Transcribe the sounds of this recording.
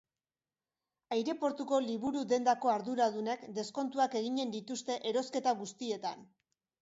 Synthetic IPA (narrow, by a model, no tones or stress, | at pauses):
ajɾe̞po̞ɾt̪uko̞liβuɾuðe̞nd̪ako̞aɾðuɾað̞unekd̪e̞sko̞nt̪uake̞ɣ̞iɲe̞nd̪it̪ust̪e̞ʔeɾo̞ske̞t̪aɣust̪ie̞t̪an